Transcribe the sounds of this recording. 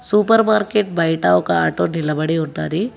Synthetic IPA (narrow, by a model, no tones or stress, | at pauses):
suːpɐɾmaːɾkeːʈ̚bɐjʈaːokaaːʈonilɐbɐɽiɦund̪aːd̪i